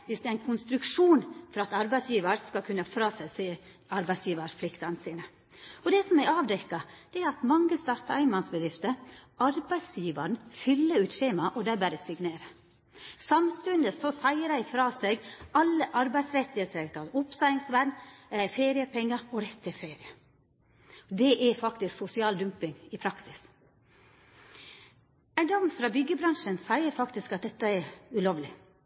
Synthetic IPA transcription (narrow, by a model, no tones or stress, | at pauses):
ʋɪsd̪ɛɾæɪnkʰʊnst̪ɾʉkʂuːnfɔɾɑt̪ɑɾbæɪsjiːʋɑɾskɑlkʰʉnːɑfɾɑːsæɪseː | ɑɾbæɪsjiːʋɑʂpʰlɪkt̪ɑnsiːnə | ɔd̪ɛsɔmæɑːʋd̪ɛkːɑd̪̥ɛæɾɑt̪mɑŋːəst̪ɑːɾt̪ɑæɪnmɑnsbəd̪ɾɪft̪əɾɑɾbæɪdsjiːʋɑɳ̩fʏlːəɾʉːt̪ʃeːmɑʔɔd̪æbæɾəsɪɡneːɾə | sɑmst̪ʉnd̪əsɔsæɪəɾæɪfɾɑːsɛɡɑlːəʔɑɾbæɪd̪sɾɛt̪ːɪəsɛt̪ɑʊpsɑɪɪŋsʋæɳæfeːɾɪəpʰɛŋːəɔɾɛt̪ʰːɪfeːɾɪə | d̪ɛʔɛfɑkt̪ɪsksʊsɪɑːld̪ʉmpɪŋɪpʰɾɑksɪs | æɪd̪ɔmːfɾɑːbʏɡəbɾɑŋʂənsæɪəɾfɑkt̪ɪskɑt̪̚d̪ɛt̪ːəɛʉloːʋlɪ